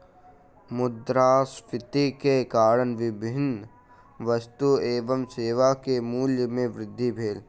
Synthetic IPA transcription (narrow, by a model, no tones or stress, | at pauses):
mʊd̪ɾaːspɪt̪ikekaːɾənʋɪbʱɪn | ʋəst̪ueːʋəmseːʋakemuːljəmẽʋɾɪd̪ʱːibʱeːl